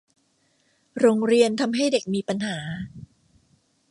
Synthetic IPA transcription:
ɾoː˧ŋɾi˧ənt̪ʰa˧mɦa˥˩jde˨˩k̚miː˧pa˧nɦaː˩˦

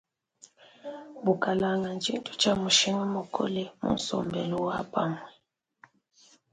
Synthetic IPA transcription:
bu˨ka˨la˨ŋɡa˨nt͡ʃi˦n˦tʰu̥˦t͡ʃa˦mu˨ʃi˦ŋɔ˦mɔ˨kʰo̰˦lɛ˦mṵ˦n̩˦sɔ̰˨mbɛ˨lu˦wa˦pa˦ŋwɛ˨

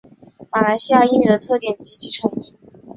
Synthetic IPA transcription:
ma˨˩la˧˥ɪɕi˥ja˥˧i˥˩my˨˩d̪ə˦t̪ʰɤ˥˩t̪jɛ˨˩˦nt͡ɕi˧˥t͡ɕʰi˧˥ʈ͡ʂʰɤ˧˥ŋi˥˩

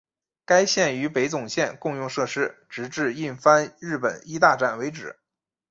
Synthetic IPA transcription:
ka˥ɪɕjɛ˥˩ny˧˥pe˧˥ɪt͡sʊ˨˩ŋɕjɛ˥˧nkʊ˥˧ŋjʊ˥˧ŋʂɤ˥˩ʂɻ̩˥ʈ͡ʂɻ̩˧˥ʈ͡ʂɻ̩˥˧i˥˩nfa˥nɻɻ̩˥˩pə̰˨˩ni˥t̪a˥˧ʈ͡ʂa˥˩nwe˧˥ɪʈ͡ʂɻ̩˨˩˦

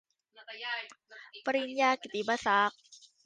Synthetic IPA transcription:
pa˧ɾi˧njaː˧ki˨˩t̪i˨˦ba˧sa˨˦˩k̚

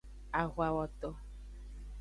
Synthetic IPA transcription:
a˨ɣwa˨wɔ˨t̪ɔ˨

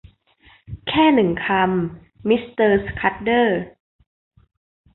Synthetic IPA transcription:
kʰɛː˥˩nɯ˨˩ŋkʰa˧mː | i˦˥st̪ɤː˧skʰa˦˥t̪̚dɤː˥˩

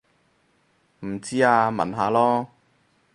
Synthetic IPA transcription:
m̩˨˩t͡siː˥aː˧mɐ̰˨˩nɦaː˨˧lɔː˥

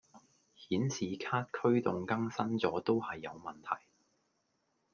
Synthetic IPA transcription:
hiː˨˥nsʰiː˨kʰaː˥t̚kʰɵ˥ɥt̪ʊ˨ŋkɐ˥ŋsɐ˥nt͡sɔː˨˥t̪o˥whɐ˨jːɐ˨˧wmɐ˨nt̪ʰɐ̰˨˩j

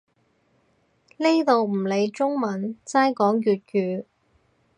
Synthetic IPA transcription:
li˥jt̪o˨wm̩˨˩le˨˧jt͡sʊ˥ŋmɐ˨nt͡saː˥jkɔː˨˥ŋkyː˨t̚kyː˨˧

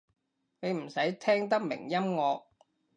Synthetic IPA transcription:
ne˨˧jm̩˨˩sɐ˨˥jt̪ʰɛː˥ŋt̪ɐ˥k̚mɪ̰˨˩ŋjɐ˥mŋɔː˨˧k̚

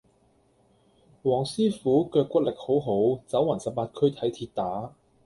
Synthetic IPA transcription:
wɔː˨˩ŋsiː˥fuː˨˥kœː˧kːʷɐ˥t̚lɪ˨k̚ho˨˥wɦo˨˥wt͡sɐ˨˥wɐ˨˩nsɐ˨p̚paː˧t̚kʰɵ˥ɥt̪ʰɐ˨˥jt̪ʰiː˧t̚t̪aː˨˥

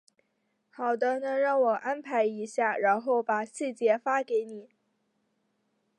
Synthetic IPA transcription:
xɑ˨˩ʊd̪ə˦nɤ˧˥ŋɻɑ˥˩ŋwɔ˨˩ʔa˥npʰa˧˥ɪi˧˥ɕja˥˩ɻa˧˥nxo˥˩ʊpa˨˩ɕi˥˩t͡ɕjɛ˧˥fa˥ke˧˥ɪni˨˩˦

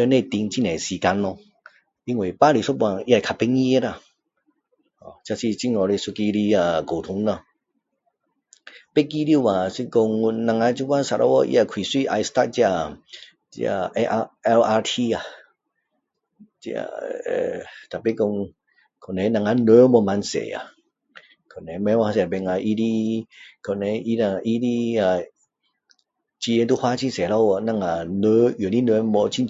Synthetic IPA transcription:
nẽ˧t̪i˧ŋt͡ɕi˧˨nɛ̃˨˩si˨˩ka˧nːɔ˧ | i˧ŋwe˨˩pa˦li˧sɔ˦˥bwã˧˨i˦˧a˧˨˩kʰa˧˩pe˧ŋi˦˧e˦ɾa˧˨ | ɔ˨˩t͡ɕja˧si˧t͡ɕi˧˨ŋɔ˧ɾe˧su˧ki˧ɾi˧a˧˩ko˨˩t̪ʰʊ˧˦ŋnɔ˧˨ | pe˦k̬i˧ɾi˧˨a˨˩si˧kɔ˧ŋnã˧ŋa˧˦t͡ɕi˧˦kʷwa˦nsa˧˨ʔɔ̰˧˦wɔ̰˧ʔḭ˧a˧˨kʰwi˨˩swi˧˨ʔa̰˧jst̪a˦˧t̚t͡ɕja˧ | t͡ɕa̰˧ʔɛ˧la˧t̪ʰi˧a˨ | t͡ɕḭ˧a̰˧˨˧ | t̪a˨˩pi˧˨ko˧ŋ | kʰo˧˨ne˧˨˧nã˧˨ŋa˧nə˧˦mɔ˧ma˧nsḛ˨˦a̰˨ | kʰo˨ne˨˦mɛ̃˧˦wa˧sbɛ˧˨ŋa˧˨ʔi˧˦di˧kʰɔ˨ne˨˧˦ʔi˧na˧˨ʔi˧˦di˧a˨ | t͡ɕi˧e˧t̪u˧˨hwa˧˦t͡ɕʰi˧˨se˨lɔ˧˨wnã˧˨ŋa˨˩nə˧˦˨ni˦nə˧˦mɔ˧t͡ɕʰi˧˨

